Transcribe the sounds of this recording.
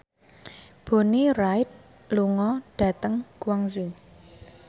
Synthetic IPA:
b̥o̤niraɪt̪̚ | luŋɔɖ̥ä̤t̪əŋkuwaŋsu

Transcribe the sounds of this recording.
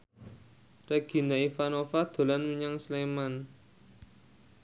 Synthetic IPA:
rɛɡ̥i̤naifanofad̪̥o̤lanmiɲaŋsleman

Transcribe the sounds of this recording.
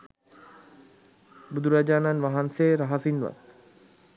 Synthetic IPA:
bud̪ʱuɾad͡ʒaːnanʋaɦanseɾaɦasinʋa̰t̪̚

